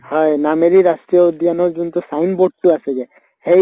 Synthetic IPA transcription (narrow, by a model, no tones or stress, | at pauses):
hɔenameɾiɾasʈɾijɔod̪ʱianɔɾd͡ʒunt̪usajnboʈ̚ʈuaseɡe | hej